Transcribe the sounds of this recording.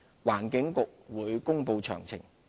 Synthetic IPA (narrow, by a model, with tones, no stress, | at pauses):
waː˨˩nkɪ˨˥ŋkʊ˨k̚wuː˨˧jkʊ˥ŋpo˧wt͡ʃʰœ̰ː˨˩ŋt͡sʰɪ̰˨˩ŋ